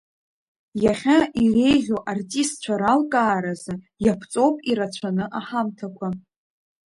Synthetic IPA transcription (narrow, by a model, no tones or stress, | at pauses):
jaχʲaʔire̞jʁʲoʔartʼistt͡ɕʷʰaɾalkʼaːɾazɨ | japʰt͡sʼo̞wpʼiɾat͡ɕʷʰanɨʔaħamtʰakʷʰa